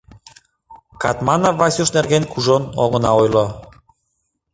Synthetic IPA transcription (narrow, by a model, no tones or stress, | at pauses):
kɑt̪mɑnɑvɑsʲuʃnerɣenkʰuʒono̰ɣənɑojlo